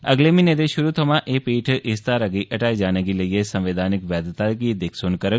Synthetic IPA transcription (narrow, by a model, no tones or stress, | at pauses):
əɡlemined̪eʃʊɾut̪ʰəmãʔepiːʈʰʔɪst̪aɾəɡiʔəʈaːid͡ʒaːnəɡiləiesə̃mʋed̪ʱaːnɪkʋɛːd̪t̪akid̪ɪkʰsoːnkəɾə